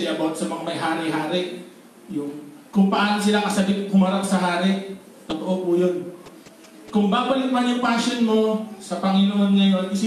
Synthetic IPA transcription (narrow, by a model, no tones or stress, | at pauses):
ɐbat̪̚sɐmɐŋamɐjɦaːɾɪɦaːɾɪ | jʊŋkʊŋpɐʔaːnosɪlaŋkɐsɐɡɪt̪̚hʊmɐɾaʔsɐɦaːɾɪ | t̪ʊt̪oʔo̞pujon | kʊŋbaːbɐlɪt̪̚mɐnjʊŋpaːʃonmo̞sɐpɐŋɪnoʔo̞d̪̚ŋɐjoʔɪsi